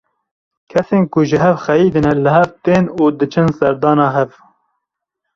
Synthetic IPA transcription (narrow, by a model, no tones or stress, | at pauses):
kʰɛseːnkʊʒɨɦɛvxɛjiːd̪ɨnɛlɨɦɛvt̪eːnuːd̪ɨt͡ʃʰɨnsɛɾd̪ɑːnɑːɦɛv